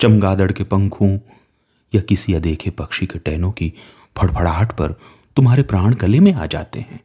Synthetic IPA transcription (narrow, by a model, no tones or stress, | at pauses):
t͡ʃɐmɡaːd̪əɽkepɐ̃ŋkʰũ | jakɪsiɐd̪eːkʰepɐkʃikeʈɛːnõki | bʰʱɐɽpʰɐɽaːʈʰpɐ̰ɾ | t̪ʊmɦaːɾepɾaːɽ̃ɡɐlemẽa̰ːd͡ʒa̰ːt̪ḛɦɛ̃ː